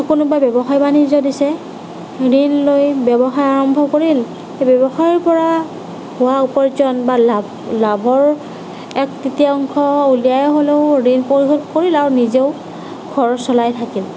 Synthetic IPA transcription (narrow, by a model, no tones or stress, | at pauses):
kʊnʊbabjɔbɔxajbanizɔdisɛ | ɹinlojbɔbɔxajaɹɔmbʱɔkoɹil | ebɔbɔxajɔɹpɔɹa | hʊwaupɔɹizɔnbalab | labʱɔɹ | ɛktitiɔŋkʰɔulijajɔɦoleʊɹinpoɹixɔdkoɹilaɹunizeʊ | ɡ̥ʱɔɹsɔlajtʰakil